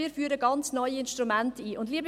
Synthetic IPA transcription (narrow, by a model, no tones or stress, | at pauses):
iːɾfyːɾəɡɑnt͡snɔʏiɪnʃtɾumɛntiːʔʊndliːbə